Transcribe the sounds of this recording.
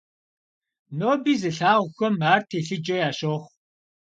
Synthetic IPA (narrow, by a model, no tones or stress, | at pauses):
noːbiːzɨɬaːʁʷxɐmaːrtʰeːɬɨd͡ʒʼɐjaːʃoːχʷ